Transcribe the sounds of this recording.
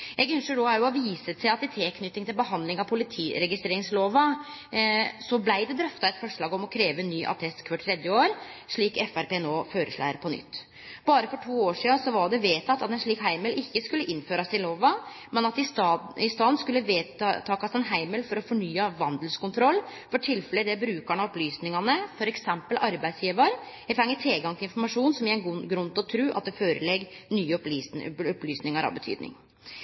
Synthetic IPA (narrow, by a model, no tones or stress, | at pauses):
jɛɡʏnʂəɖoːæɾjʊɔʋiːsət̪sæɪɑt̪ɪt̪ʰeːkʰnʏt̪ːɪŋt̪ɪlbəɦɑnd̪lɪŋɑʋpʰʊlɪt̪ʰiːɾɛɡɪst̪ɾeːɾɪŋsloːʋɑ | sɔblæɪd̪ɛd̪ɾœft̪ɑɛt̪fɔʂɭɑːɡɔmɔkʰɾeːʋənːyːʔɑ̰t̪ʰɛst̪kʰʋɑʈʰɾɛd̪jəoːɾʂɭiːkɛfæɾpeːnoːføːɾə̰ʂɭæ̰ːɾpʰɔnʏ̰t̪ː | bɑːɾəfɔʈʰuːoːʂiːɑsɔʋɑɖɛʋeːt̪ʰɑt̪ːɑt̪ɛnʂɭiːkɦæɪməlɪçːəskʉlːəʔɪnføːɾɑsɪloːʋɑ | mɛnɑt̪ɪɪst̪ɑːnskʉlːəʋeːt̪ʰɑːkɑsɛnɦæɪmɛlfɔɾɔfɔɳyːɑʋɑnd̪lskʊnt̪ʰɾɔlːfɔʈʰɪlfɛlɛd̪ɛbɾʉːkæɳɑɔplyːsnɪŋɑnəfɔɾɛksɛmpəlʔɑɾbæɪsjiːʋɑɾ | ɛt̪ʰɾɛŋːət̪ʰɛlɡɑŋt̪ɪɪnfɔɾmɑʂuːnsɔmɪɛnɡɡɾʉnt̪ɔt̪ʰɾʉːʔɑ̰t̪̚d̪ɛføːɾə̰lɛɡnyːəɔp̪ːɔplyːsnɪŋɑɾɑ̰ʋbət̪ʰy̰ːd̪nɪ̰ŋ